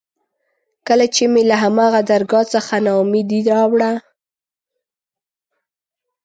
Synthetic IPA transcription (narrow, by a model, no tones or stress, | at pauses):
kəlat͡ʃemelaɦamɑɣad̪aɾɡɑt͡səxanɑmid̪iɾɑwɽa